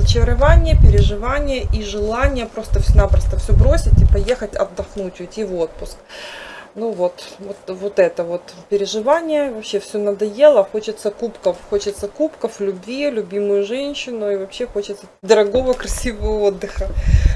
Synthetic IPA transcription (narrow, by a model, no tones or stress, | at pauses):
zət͡ɕɪɾɐvanʲɪjəpʲɪɾʲɪʐɨvanʲɪjəʔiʐɨlˠanʲɪjəpɾo̞st̪əfsʲnapɾəst̪əfsʲobɾosʲɪtʲipɐje̞xətʲɐ̰d̪ːɐxnutʲʊɪtʲivo̞t̪̚pʊsk | nuvot̪vot̪vot̪ɛt̪əvo̞t̪pʲɪɾʲɪʐɨvanʲɪjəvɐpɕːefsʲonɐd̪ɐjelˠəxo̞t͡ɕɪt̪səkupkəfxo̞t͡ɕɪt̪səkupkəflʲʉbʲvʲilʲʊbʲimʊjʊʐɛnʲɕɪnʊivɐpɕːexo̞t͡ɕɪt̪səd̪əɾɐɡo̞vəkɾɐsʲivəvəod̪ːɨxə